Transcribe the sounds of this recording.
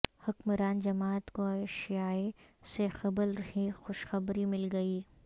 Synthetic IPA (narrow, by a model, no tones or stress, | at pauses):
hʊkmɾaːnd͡ʒɐmaːt̪koɐʃjaːesexɐbəlɾɐɦĩxʊʃxɐbɾimɪlɡɐiː